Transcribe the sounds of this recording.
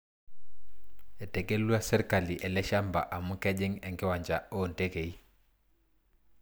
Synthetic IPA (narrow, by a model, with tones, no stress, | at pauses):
ɛ˨te˨ke˦lu˦a˦sɛ˦ɾka˨li˨ʔɛ˨lɛ˦ʃa˦mba̰˨ʔa˨mu˦kɛ˦d͡ʒɛ˦ŋɛ˨ŋkɛ˦wa˨ɲd͡ʒaɔ˦nte˦ke˨i˦